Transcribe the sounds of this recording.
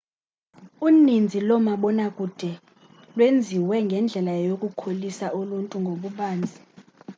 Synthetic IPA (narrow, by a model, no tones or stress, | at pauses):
unind͡zʱilɔmaɓɔnakʼud̥ʱɛ | lwend͡zʱiwɛŋɡʱɛnd͡ɮʱɛlajokʼukʰolisaʔuluntʼuŋɡʱoɓuɓaːnd͡zʱi